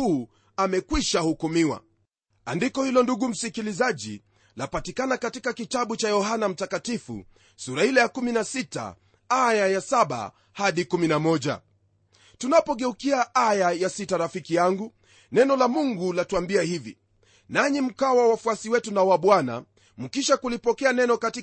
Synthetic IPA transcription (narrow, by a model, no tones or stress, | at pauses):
uː | amɛkwiʃahukumiwa̰ | andikɔhilɔnduɠum̩sikilizaʄḭ | lapatikanakatikakitaɓut͡ʃajɔɦanam̩takatifṵ | suɾahilɛjakuminasita̰ | ajajasaɓa̰ | haɗikuminamɔʄa̰ | tunapɔɠɛukiaʔajajasitaɾafikijaŋɡu | nɛnɔlamuŋɡulatuambiahivḭ | naɲim̩kawawafuasiwɛtunawaɓwana̰ | m̩kiʃakulipɔkɛanɛnɔkati